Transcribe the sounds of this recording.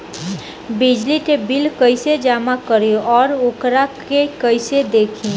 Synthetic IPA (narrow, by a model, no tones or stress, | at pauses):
bid͡ʒliʈebilkəɪsed͡ʒamakəɾjoʔɔːɾokɾakekəɪsed̪ekʰi